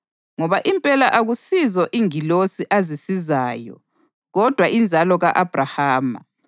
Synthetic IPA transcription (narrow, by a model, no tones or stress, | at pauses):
ŋɔβaʔimpʼɛlaʔaɣusizɔʔiŋilosiʔazisizaːjɔ̰ | ɣɔd̥ʱwaʔind͡zʱalɔɣaʔab̥ʱrahaːma̰